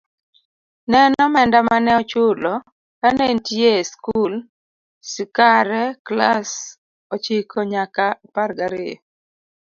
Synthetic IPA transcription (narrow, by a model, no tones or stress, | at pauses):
nɛnɔmɛndamanɛɔt͡ʃʊlɔ | kanentjeskul | sɪkaɾɛklas | ot͡ʃikʰoɲakaparɡaɾɪ